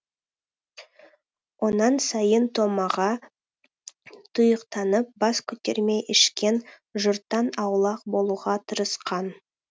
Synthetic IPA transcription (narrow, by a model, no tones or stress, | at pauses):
wʔo̞nɑnsɑjənt̪ʰo̞mɑʁɑ | t̪ʰʊjəqt̪ɑnəp̚bɑskʲʰʏt̪eɾme̞jʔɪʃkʲe̞n | ʒʊɾt̪ːɑnɑwlˠɑq̚bo̞lˠuʁɑt̪ʰəɾəsqɑn